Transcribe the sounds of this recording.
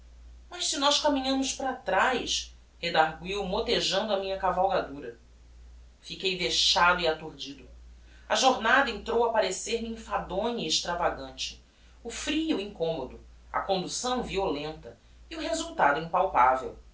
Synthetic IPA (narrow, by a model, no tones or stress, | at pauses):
mɐʃsinɔʃkamĩɲɐ̃mʊʃpɾat̪ɾajs | hed̪aɾɡwiwmot̪eʒɐ̃nd̪ʊɐmĩɲɐkavawɡad̪uɾɐ | fikejveʃad̪ʊiat̪oɾd͡ʒid̪ʊ | ɐʒoɾnad̪ɐẽnt̪ɾowapaɾeseɾmɪĩfad̪õɲiːʃt̪ɾavaɡɐ̃nt͡ʃɪ̥ | ʊfɾijuĩŋkõmod̪ʊ | ɐ̰kõnd̪usɐ̃w̃violẽnt̪ɐ | iʊɦezuwt̪ad̪ʊĩpawpavḛw